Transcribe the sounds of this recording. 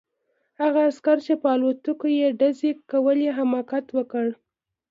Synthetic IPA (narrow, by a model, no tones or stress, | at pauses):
haɣaːskaɾt͡ʃepəɑlot̪əkojeɖazekawəleɦamɑkat̪wəkəɽ